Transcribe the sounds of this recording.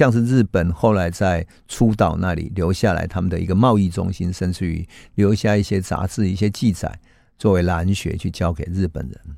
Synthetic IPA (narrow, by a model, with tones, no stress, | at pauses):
jɑ˥˧ŋʂ̬ɻ̩˥˧ɻɻ̩˥˩pə˨˩nxo˥˩ʊla˧˥ɪt͡sa˥˩ɪ | ʈ͡ʂʰu˦t̪ɑ˨˩ʊna˥˨lḭ˨˩ljo˧˥ʊɕja˥˩la̰˧˥ɪt̪ʰa˥mə˨nd̪ə̰˨˩ḭ˧˥ɡə˧mɑ˥˧ʊi˥˩ʈ͡ʂʊ̰˦˥ŋɕi˦˥nʂə˥˧nʈ͡ʂɻ̩˥˩y̰˧˦ljo˧˥ʊɕja˥˧i˥˩ɕjɛ˦t͡sa̰˧˥t͡sɹ̩˥˧i˥˩ɕ̬jɛ˦t͡ɕi˥˩t͡sa̰˨˩˦ɪ | t͡swɔ˥˩we˧˥ɪla˧˦nɕɥɛ̰˧˦t͡ɕʰy˥˩t͡ɕjɑ˦ʊke˨˩ɪɻɻ̩˥˩pə̰˨˩nɻə̰˧˦n